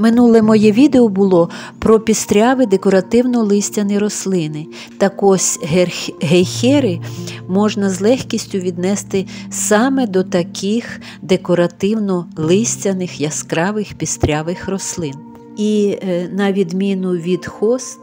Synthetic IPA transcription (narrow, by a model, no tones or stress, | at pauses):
mɪnulˠɛmɔjɛʋʲid̪eɔbʊlˠɔpɾɔpʲist̪ɾʲɑʋɪd̪ekɔɾɐt̪ɪwnɔlˠɪsʲtʲɐnɪɾɔslˠɪnɪ | t̪ɐkɔsʲɦɦexʲɛɾɪmɔʒnɐzlˠɛxkʲisʲtʲʊʋʲid̪nɛst̪ɪsɑmɛd̪ɔt̪ɐkʰix | d̪ekɔɾɐt̪ɪwnɔlˠɪsʲtʲɐnɪxjɐskɾɑʋɪxpʲist̪ɾʲɑʋɪxrɔslˠɪn | inɐʋʲid̪mʲinʊʋʲid̪xɔs